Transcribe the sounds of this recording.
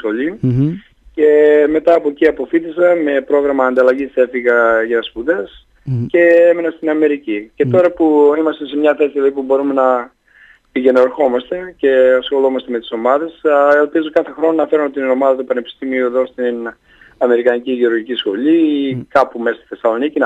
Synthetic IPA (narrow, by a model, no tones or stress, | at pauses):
xo̞ʎi | ce̞me̞t̪ɐːpo̞ciɐpo̞fit̪isɐme̞pɾo̞ɣɾɐmɐːnd̪ɐlɐʝise̞fiɣɐʝɐspuðe̞s | ce̞emenɐst̪inɐme̞ɾicice̞t̪o̞ɾɐpuimɐst̪e̞se̞mɲɐθesilɐipubo̞ɾume̞nɐ | piʝe̞noɾxo̞mɐst̪e̞ce̞sxo̞lo̞mɐst̪e̞met̪i̥so̞mɐðe̞selpizo̞kɐθe̞xɾo̞nonɐfeɾumot̪inno̞mɐðɐt̪upɐne̞pi̥st̪imiueðo̞st̪in | ɐme̞ɾikɐniciʝeo̞ɾʝicisxo̞likɐpumesst̪i̥θe̞sɐlo̞nicin